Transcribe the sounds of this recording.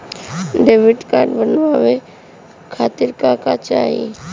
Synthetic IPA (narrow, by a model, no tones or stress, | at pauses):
ɖeːʋɪʈkaːɾɖbənʋaʋe | kʰaːt̪ɪɾkakat͡ʃa̰ːɦiḛ